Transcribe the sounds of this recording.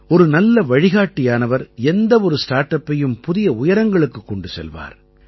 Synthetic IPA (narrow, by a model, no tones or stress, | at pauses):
ɔɾɯnɐlːɐʋɐɻɪɣaːʈːɪjaːnɐʋɐɾɛnd̪ɐɔɾɯsʈaːɾʈɐpːɐjɯmpʊðɪjɐʊjɐɾɐŋɡɐɭɯkːɯkːɔɳɖɯsɛ̰lʋa̰ːɾ